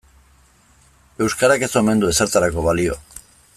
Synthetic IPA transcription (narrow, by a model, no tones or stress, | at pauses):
e̞wskaɾake̞so̞me̞nd̪ue̞saɾt̪aɾako̞βalio̞̰